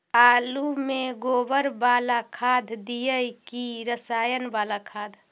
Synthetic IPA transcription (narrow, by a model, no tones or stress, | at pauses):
aːlumeɡobəɾbalakʰad̪ʱd̪ijəjkiɾəsaːjənbalakʰaːd̪ʱ